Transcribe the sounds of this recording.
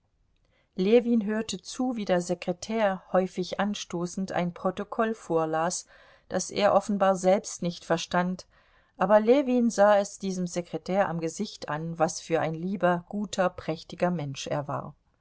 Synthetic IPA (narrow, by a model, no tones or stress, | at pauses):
leːviːnɦøːɐtət͡suːviːdeːɐzekʁ̥etʰɛːɐhɔʏfɪçʔanʃtoːsn̩tʰa̰ɪnpʁ̥otokʰɔlfoːɐlaːs | d̥asʔḛːɐʔɔfn̩baːɐzɛlpstnɪçtfɛɐʃtant | ʔaːbɐleːviːnzaːɛsd̥iːzəmzekʁ̥etʰɛːɐʔamɡəzɪçtʔa̰nvasfyːɐʔaɪnliːbɐɡ̥uːtʰɐpʁ̥ɛçtɪɡɐmɛnʃʔḛːɐva̰ːɐ